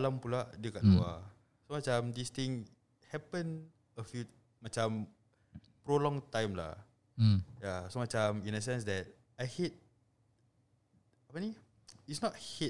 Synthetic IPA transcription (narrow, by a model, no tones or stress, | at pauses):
alãmpuladəkaʔtua̰ | somat͡ʃãmdist̪ĩŋ | hɛpə̃n | əfi | mat͡ʃãm | pɾolɔ̃ŋtãjmla̰ | jasomat͡ʃãmĩnəs̬ɛ̃ns̬dɛt̚ | ajhet̚ | apani | itsnɔt̚he